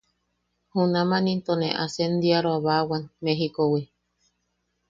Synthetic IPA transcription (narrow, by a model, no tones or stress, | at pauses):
hunãmãnĩnt̪onḛ̃ʔasend̪iaɾoaβawanmẽɦikowi